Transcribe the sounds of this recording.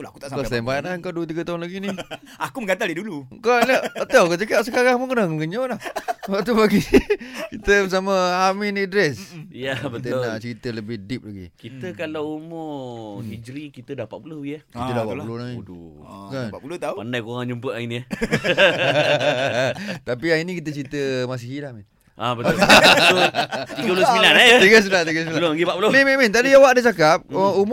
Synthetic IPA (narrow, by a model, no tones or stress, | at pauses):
ulaaku̥t̪aʔsakatambaʔaŋkaduət̪̬iɡət̪aɦʊnlaɡini | akuməŋɡat̪aldidulukanəət̪akat͡ʃəkaʔs̬əkaɾaŋməkənaŋɡəɲolahsəbaʔt̪ubaɡikit̪əbəs̬aməaminidɾɛsjabət̪enaʔt͡ʃəɾit̪ələbɪhdip̚laɡḭkit̪əkalawumohid͡ʒɾikit̪ədapat̪̚uloiahiədapaʔpulonai | kanpapulot̪apandajkoɾaŋd͡ʒumpəʔaini | t̪apiainĩkit̪ət͡ʃɾit̪əmas̬iɦilahmin | ʔabət̪ | t̪iɡəpulosmilanat̪iɡəsmilant̪iɡəsilaloɡibaʔpulomɛmimint̪adijawaʔdət͡ʃakap̚əum